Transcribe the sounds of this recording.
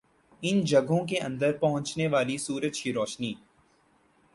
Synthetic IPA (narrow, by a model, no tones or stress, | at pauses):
ɪnd͡ʒɐɡʱõk̬eʔɐ̰̃nd̪əɾpɐɦʊ̃t͡ʃneʋaːlisuːɾəd͡ʒʃiɾɔːʃniː